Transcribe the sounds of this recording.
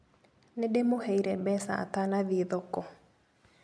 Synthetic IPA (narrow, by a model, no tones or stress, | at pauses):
nedemohɛiɾɛbɛsa̰tanaðiðɔkɔ